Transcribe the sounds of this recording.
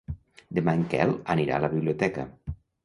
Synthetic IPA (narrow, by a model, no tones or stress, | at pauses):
d̪emaŋkɛ̰ləniɾa̰ləβiβliot̪ɛkə̰